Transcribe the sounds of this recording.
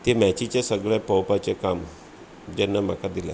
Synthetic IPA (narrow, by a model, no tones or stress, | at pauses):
t̪emat͡ɕit͡ɕjasəɡɭjãpəwpat͡ɕekam | d͡ʑɛnːam̤akad̪ila̰